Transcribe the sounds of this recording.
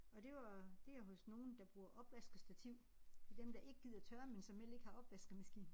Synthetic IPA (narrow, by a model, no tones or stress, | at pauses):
ɒ̽d̥e̝ʋɑd̥e̝æɦɔ̽sno̝ːn̩d̥ɑ̈b̥ʁuːɐʔɒ̽b̥ʋæsɡ̥ʁð̩ˠsd̥æt͡sʰiʊ̰ | d̥e̝d̥emd̥ɑ̈ʔe̝ɡ̥əɡ̥ið̰ˠɒt͡sʰɶɐmensɒ̽mel̰e̝ɡ̥əhɑ̈ʔɒ̽b̥ʋæsɡ̥ð̩ˠmæsɡ̥ḭːn